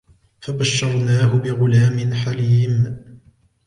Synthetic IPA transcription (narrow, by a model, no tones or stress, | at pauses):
fabaʃːɑɾˤnaːɦʊbɪɣʊlaːmɪnħaliːm